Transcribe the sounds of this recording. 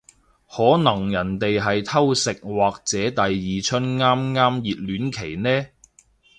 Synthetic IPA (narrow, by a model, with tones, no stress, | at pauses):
hɔː˨˥nɐ˨˩ŋjɐ˨˩nt̪e˨jɦɐ˨jt̪ʰɐ˥wsɪ˨k̚waː˨k̚t͡sɛː˨˥t̪ɐ˨jjiː˨t͡ʃʰɵ˥nŋaː˥mŋaː˥mjiː˨t̚lyː˨˥nkʰe˨˩jnɛː˥